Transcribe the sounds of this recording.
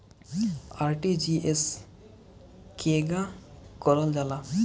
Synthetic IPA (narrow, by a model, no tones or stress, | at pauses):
aɾʈid͡ʒies | kʰeɡakɔɾɔld͡ʒala